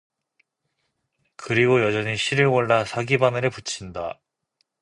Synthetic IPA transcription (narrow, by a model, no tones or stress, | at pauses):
kɯɾiɡojʌd͡ʑʌɲiɕʰiɾɯɭoɭːasʰaɡibanɯɾɯɭput͡ɕʰinda